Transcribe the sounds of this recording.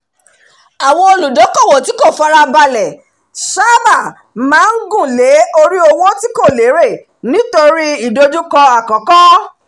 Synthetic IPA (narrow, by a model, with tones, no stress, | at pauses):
a˨w̃ɔ̃˧o˧lu˨dɔ˨˦kɔ˦˨wɔ˨ti˨˦ko˦˨fa˦ɾa˧ba˧lɛ˨ | sa˦ba˦˨ | mãː˨˦n̩˦ɡũ˦˨le˨˦o˧ɾi˦o˧wo˦ti˦ko˦˨le˨˦ɾe˦˨ | nĩ˨˦to˧ɾi˦i˦˨do˦d͡ʒu˦kɔ̃˧a˨kɔ̃˨˦kɔ˦